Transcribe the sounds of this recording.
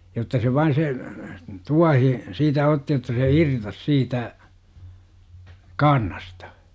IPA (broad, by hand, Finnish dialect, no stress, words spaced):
jotːɑ se ʋɑin se tuɑhi siːtæ otːi jotːɑ se irtos siːtæ kɑːrnɑstɑ̥